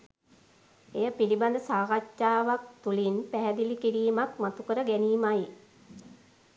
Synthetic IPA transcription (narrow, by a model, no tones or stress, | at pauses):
ejəpiliband̪əsaːɾat͡ʃːaːʋak̚t̪ulinpæɦɛd̪ilikiɾiːmakmat̪ukəɾəɡæniːmaj